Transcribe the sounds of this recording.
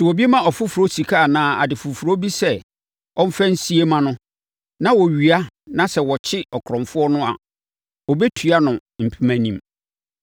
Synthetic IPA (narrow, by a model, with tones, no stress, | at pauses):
sɪ˨ɔ˨bi˦e˦mã˦ɔ˨fʊ˦fu˨ɾo˦si˨kʰa˦a˨nãː˨˦˨a̰˨dɪ˨fʊ˨fu˨ɾo˦bi˦sɛ˦˨ | ɔ˦m̩˦fɛ˦n̩˦si˦e˦mã˦nʊ̃˦ | nã˦wɔ˨ɥi˨a˦ | nã˦sɛ˨wɔ˨t͡ɕʰɪ˦ɔ˨kʰɾɔ̃˨fʊ˦ɔ˦nʊ̃˦a̰˨ | ɔ˨be˦tʰɥa˦nʊ̃˨m̩˨pʰi˦mæ̃˨nĩ˦m